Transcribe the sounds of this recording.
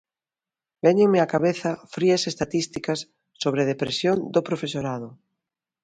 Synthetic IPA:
bɛɲeŋmeakaβeθɐfɾiɐsest̪at̪ist̪ikɐsː | oβɾeð̞epɾesjond̪opɾofesoɾaðʊ

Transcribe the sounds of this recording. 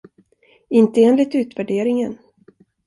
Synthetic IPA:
ɪnt̪əeːnlɪt̪ʉ̟ːt̪væɖeːɾɪŋən

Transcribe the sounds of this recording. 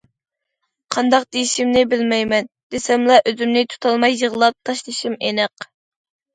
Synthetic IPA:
qʰɑnd̪ɑq̚d̪̥ejiʃimnɪbɪlmɛjmɛn | d̪̥esɛmlˠɑʔøzymnɪt̪ʰu̥t̪ʰɑlˠmɑjːəʁlˠɑp̚t̪ʰɑʃlˠɨʃimenɛq

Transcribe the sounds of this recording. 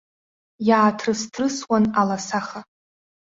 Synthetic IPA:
jaːtʰrɨstʰrɨswanalasaχa

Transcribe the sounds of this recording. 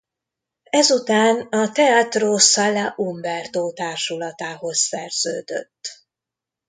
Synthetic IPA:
ɛzut̪aːnɒt̪ɛaːt̪roːsalːaʔumbɛrd̪oːt̪aːrʃulɒt̪aːɦo̞ssɛrz̥ø̰ːd̪ø̰t̪ː

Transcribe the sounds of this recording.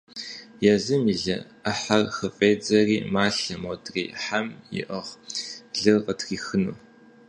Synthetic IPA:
jɛzɨmiɮɐ | ɐħarxɨfʼeːd͡zɐrḭːmaːɬɐmotʰʼrḭːħamjɪ̰ʔɐʁɮɨrqətxiːxɨnuː

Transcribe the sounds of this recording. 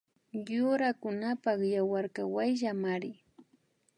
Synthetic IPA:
jʊɾakʊnapɑχjawaɾkawajʒamaɾɪ

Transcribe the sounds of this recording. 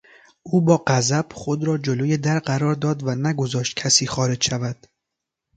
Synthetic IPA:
uːbɒːɢæzæb̥χod̪ɾɒːd͡ʒolojed̪æɾɢæɾɒːɾd̪ɒːd̪vænæɡo̞zɒːʃt̪̚cʰæsiːxɒːɾe̞d͡ʒʃævæd̪̥

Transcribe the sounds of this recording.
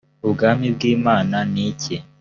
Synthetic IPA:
ubɡaːmibɡiːmaːnaniːce

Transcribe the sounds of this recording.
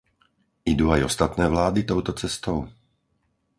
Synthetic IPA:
ʔid̪uːajɔst̪at̪nɛːvlaːd̪it̪ɔʊt̪ɔt͡sɛst̪ɔʊ

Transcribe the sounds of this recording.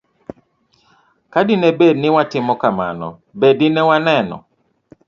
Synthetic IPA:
kadɪnɛbednɪwatɪmɔkama̰nɔ̰ | bedɪnɛwanɛnɔ̰

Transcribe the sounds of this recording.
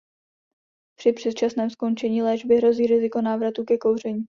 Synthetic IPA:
pr̥ɪpr̝̥ɛt̪̚t͡ʃasnɛːmsko̞nt͡ʃɛɲiːlɛːʒbɪɦɾo̞ziːɾɪzɪko̞naːvɾat̪ukɛko̞wr̝ɛɲiː

